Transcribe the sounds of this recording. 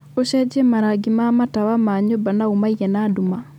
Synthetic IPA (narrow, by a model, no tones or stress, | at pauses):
oɕɛd͡ʒɛmaɾaɡimamataβamaɲobanaumaiɣɛnaːduma